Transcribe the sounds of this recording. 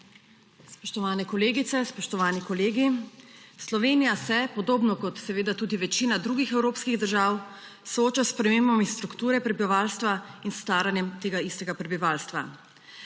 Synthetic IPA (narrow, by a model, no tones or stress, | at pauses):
spɔʃt̪ɔʋaːnɛkɔleːɡit̪sɛspɔʃt̪ɔʋaːnikɔleːɡi | slɔʋeːnijasɛpɔd̪oːbnɔkɔt̪sɛʋeːd̪at̪uːd̪iʋɛt͡ʃiːnad̪ɾuːɡixɛwɾoːpskiɣd̪əɾʒaːw | sɔoːt͡ʃaspɾɛmeːmbamist̪ɾukt̪uːɾɛpɾɛbiʋaːlst̪ʋainst̪aːɾanjɛmt̪eːɡaist̪ɛɡapɾɛbiʋaːlst̪ʋa̰